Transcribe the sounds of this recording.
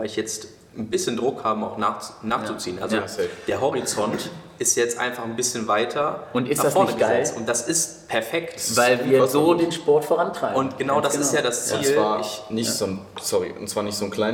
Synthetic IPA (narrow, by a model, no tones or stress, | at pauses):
aɪlɪçjɛt͡st | n̩bɪsçəndʁʊkhaːbəa̰ʊxnaːχt͡snaːχt͡sut͡siːənʔa̰lzod̥eːɐɦɔʁit͡sɔntʔɪstjaɛt͡stʔa̰ɪnfaχn̩bɪsçənvaɪtʰɐʊntɪnafɔɐnəɡəzɛlt͡stʊnt̚d̥asɪst | pʰɛɐfɛktvaɪlviːɐzoːdeːnʃpɔɐtfoʁantʁ̥aɪʊntɡ̥ənaʊdasɪtjaːdast͡siːlvaːɐɪçnɪçtz̥oːnsɔʁḭʔʊ̰ntsv̥aːɐnɪçtz̥oːnkʰl̥aɪ